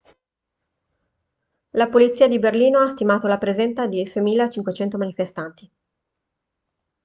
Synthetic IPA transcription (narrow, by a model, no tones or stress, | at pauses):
lapolit̪sːiːad̪iberliːnoast̪imaːt̪olapɾezɛnt̪ad̪isɛjmiːlat͡ʃiŋkwet͡ʃɛnt̪omanifest̪ant̪i